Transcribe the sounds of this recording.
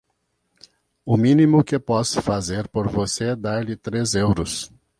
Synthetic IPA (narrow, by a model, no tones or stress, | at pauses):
ʊmĩnimʊkɪpɔsʊ̥fazeɾpoɾvoseɛd̪aɾlɪt̪ɾezewɾʊs